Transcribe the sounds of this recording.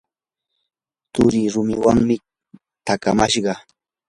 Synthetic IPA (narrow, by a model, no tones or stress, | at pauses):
t̪ʊɾiɾʊmɪwaŋmɪ | t̪akamaʃɢɑ